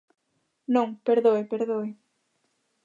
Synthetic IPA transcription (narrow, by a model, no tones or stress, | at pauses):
nõŋpeɾðojpeɾðoj